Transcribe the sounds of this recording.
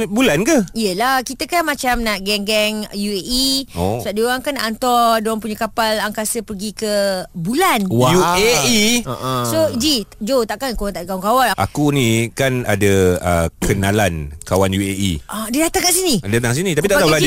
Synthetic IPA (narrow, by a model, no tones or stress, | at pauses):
bulankəijəlakit̪əkanmãt͡ʃamnaʔɡɛŋɡɛŋjueʔiosuaʔdiaŋkanaʔant̪ɔrdoaŋpuɲəkapalaŋkasəpərɡikəbulanwajueiʔsod͡ʒid͡ʒot̪aʔkankawat̪aʔkaaŋkawanʔa̰kunĩkana̰daə̰kʰənalankawanjueʔḭadidat̪aŋkaʔsinidat̪aŋs̬inĩt̪apit̪aʔt̪auula